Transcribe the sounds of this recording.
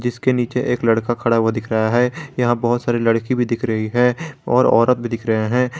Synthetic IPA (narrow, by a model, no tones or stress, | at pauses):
d͡ʒɪskeniːt͡ʃeʔeːklɐɽkakʰɐɽaʋod̪ɪkʰɾəaɦɛjɐɦãbɐɦʊt̪saːɾilɐɽkibʱid̪ɪkʰɾɐɦiɦɛ̃ːɔːɾɔ̰ːɾət̪̚bʱid̪ɪkʰɾɐɦeɦɛ̃ː